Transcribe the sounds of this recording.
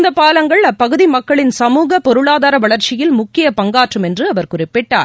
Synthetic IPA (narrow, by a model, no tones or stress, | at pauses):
nd̪ɐpaːlɐŋɡɐɭɐpːɐɣɯðimɐkkːɐɭɪnsɐmuːɣɐpɔɾɯɭaːðaːɾɐʋɐɭɐɾt͡ʃɪjɪlmʊkːɪjɐpɐŋɡaːʈrɯmɛndrɯɐʋɐɾkʊrɪpːɪʈːa̰ːɾ